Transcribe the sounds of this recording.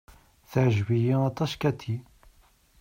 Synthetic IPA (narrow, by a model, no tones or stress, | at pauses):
θʕʒvijiɑt̪ˤɑskæt̪ʰːi